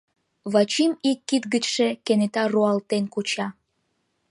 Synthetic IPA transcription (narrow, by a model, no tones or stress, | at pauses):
βɑt͡ɕimikːit̪ɡət͡ɕʃekenet̪ɑroɑlt̪enkut͡ɕɑ